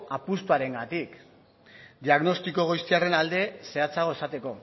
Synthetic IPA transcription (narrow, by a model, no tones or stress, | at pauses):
apust̪uaɾe̞ŋɡat̪ik | d̪iaɣno̞st̪iko̞ɣ̞ojst̪iare̞nald̪e̞se̞at͡saɣ̞o̞e̞sat̪e̞ko̞